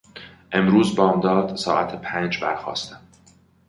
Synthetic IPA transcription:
ʔe̞mɾuːzbɒːmd̪ɒːd̪̥sɒ̰ːʔæt̪ʰepʰæːnd͡ʒbæɾxɒ̰ːst̪æm

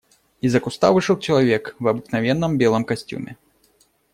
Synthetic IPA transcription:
izɐkust̪a̰vɨʂɐlt͡ʃɐlˠavʲɛkvɐbɨknavʲɛnːɐmbʲɛlˠɐmkasʲt͡sʲṵmʲɛ̰

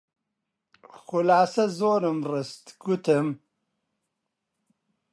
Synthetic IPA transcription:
xʊlaːsɐzoːɾɨmrɨst̪ɡut̪ʰɨm

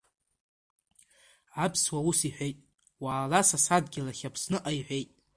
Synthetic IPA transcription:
ʕapʰswausiħʷᶣejtʼ | waːlasasadɡʲɪlaχʲapʰsnɨʔajħᶣʷejtʼ

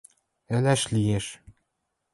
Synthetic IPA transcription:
ælæʃlijeʃ

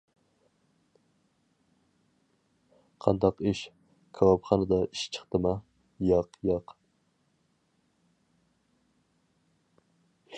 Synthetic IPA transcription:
qʰɑnd̪ɑqiʃ | kʲʰɑwɑpχɑnɨd̪ɑiʃt͡ʃʰə̥χt̪ɨmɑ | jɑqjɑq

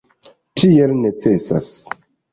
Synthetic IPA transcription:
tʰielnet͡sesa̰s

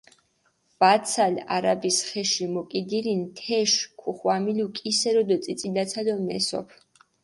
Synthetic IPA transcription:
b̥at̪sʰala̰ɾabisχɛʃimɔkʼid̪iɾint̪ʰɛʃkʰuχwamilukʼisɛɾɔd̪ɔt̪sʼit̪sʼilat̪sʰalɔmɛsɔ̰pʰ

